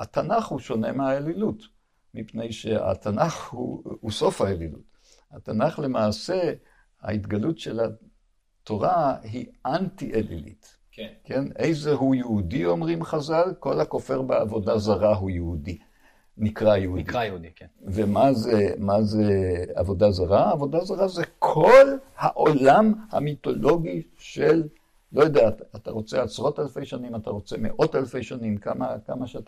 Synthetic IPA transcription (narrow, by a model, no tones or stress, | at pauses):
at̪anaχhuʃo̞ne̞meaelilut | mipne̞jʃea̰tanaχhṵuso̞fhaelilṵt | hat̪anaχle̞maːse̞ | a̰it̪ɡalutʃe̞la | to̞ʁaɦiʔantiʔelḭlḭt | kkenejzeɦujeudio̞mʁimχazalko̞lako̞fe̞ʁbeavo̞dazaʁaɦujeudi | nikʁajeud̪dvemazemazea̰vo̞dazaʁaːvo̞dazaʁazekʰo̞lhaʔo̞lamha̰mito̞lo̞ɡi | ʃelː | o̞jod̪eaat̪aʁo̞t͡seasʁo̞talfe̞jʃanimataʁo̞t͡se̞mḛʔo̞talfe̞jʃanimkamakamaʃata